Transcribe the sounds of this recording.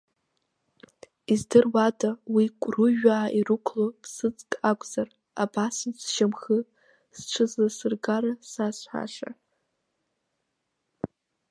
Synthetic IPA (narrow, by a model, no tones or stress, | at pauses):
izdɨrwadʰʼawikʷʼruʒᶣaːʔirukʷʰlopʰsɨt͡sʼkʼakʷʼz̥ar | a̰basɨzʃamχɨ | st͡ʃʷʰɨzasɨrɡaɾasasʷħa̰ʂa̰